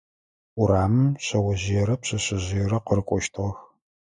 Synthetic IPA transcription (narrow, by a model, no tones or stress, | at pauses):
ʔʷʊɾaːmɨmɕɐwɐʑɪjɛɾɐpɕɐɕɪʑɪjɛɾɐqəɾɨkʷʼɔʃtʰʁɐx